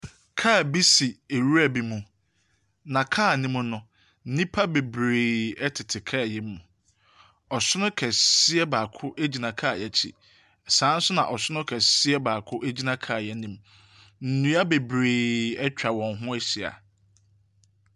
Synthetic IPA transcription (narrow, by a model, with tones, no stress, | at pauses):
kʰa˦˨bi˦si˨e˨ɾu˦ɾæ˨bi˨mũ˨ | nã˨kʰaː˦˨nĩ˦mʊ̃˦nʊ̃˨ | n̩˦nĩ˦pʰa˦be˨bɾeː˨ɛ˦tʰɪ˨tʰɪ˨kʰa˦˨jɛ˦m˦mũ˨ | ɔ˨sʊ˦nʊ̃˦kʰɛ˨sɪ˦ɛ˦baː˨kʰʊ˦ʔe˦d͡ʑi˨nã˨kʰaː˦˨jɛ˨t͡ɕʰḭ˨ | sãː˨˦n̩˦sʊ˦nã˨ʔɔ˨sʊ˦nʊ̃˦kʰɛ˨sɪ˦ɛ˦baː˨kʰʊ˦ʔe˦d͡ʑi˦nã˦kʰa˦˨jɛ˦nĩ˨m | n̩˨nũ˦a˦be˨bɾeː˨ɛ˦t͡ɕᶣa˨wɔ̃˨nɦʊ̃˦ɛ˦ɕi˨a̰˨